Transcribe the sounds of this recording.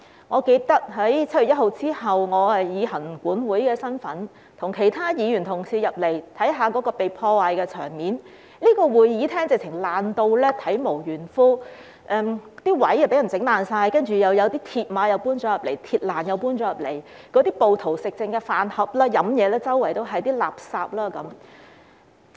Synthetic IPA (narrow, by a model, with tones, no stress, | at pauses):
ŋɔː˨˧ke˧jt̪ɐ˥k̚ɦɐ˨˥jt͡sʰɐ˥ɥy˨˩jɐ˥t̚ho˨˧wt͡siː˥hɐ˨wŋɔː˨˧hɐ˨jjiː˨˧hɐ˨˩ŋkuː˨˥nwuː˨˥jkɛː˧sɐ˥nfɐ˨˥n | t̪ʰʊ˨˩ŋkʰe˨˩jt̪ʰaː˥jiː˨˧jyː˨˩nt̪ʰʊ˨˩ŋsiː˧jɐ˨p̚le˨˩jt̪ʰɐ˨˥jɦaː˨˧kɔː˨˥kɔː˧pe˨jpʰɔː˧waː˨jkɛː˧t͡ʃʰœː˨˩ŋmiː˨˥n | liː˥kɔː˧wuː˨˧jjiː˨˥t̪ʰɛː˥ŋt͡sɪ˨k̚t͡sʰɪ˨˩ŋlaː˨˩nt̪o˧wlɛː˥t̪ʰɐ˨˥jmo˨˩wjyː˨˩nfuː˥ | ʔɛː˧mt̪iː˥wɐ˨˥jːɐ˨˩pe˨˥jɐ˨˩t͡sɪ˨˥ŋlaː˨nsaː˧jkɐ˥nt͡ʃyː˨˩jɐ˨˧wjɐ˨˧wt̪iː˥t̪ʰiː˧t̚maː˨˧˥jɐ˨˧wpuː˥nt͡ʃɔː˨˥jɐ˨p̚le˨˩jt̪ʰiː˧t̚laː˨˩njɐ˨˧wpuː˥nt͡ʃɔː˨˥jɐ˨˩p̚le˨˩j | kɔː˨˥t̪iː˥po˨wt̪ʰo˨˩wsɪ˨k̚t͡sɪ˧ŋkɛː˧faː˨˩nhɐ˨p̚laː˥jɐ˨˥mjɛː˨˧lɛː˥t͡sɐ˥wːɐ˨˩jt̪o˥wɦɐ˨jt̪iː˥la̰ː˨p̚saː˧p̚laː˥kɐ˨˧˥m